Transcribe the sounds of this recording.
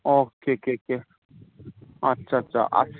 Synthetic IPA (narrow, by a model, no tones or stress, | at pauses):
oːkekeke | ɐtːʃʰaɐtːʃʰa̰ʔɐ̰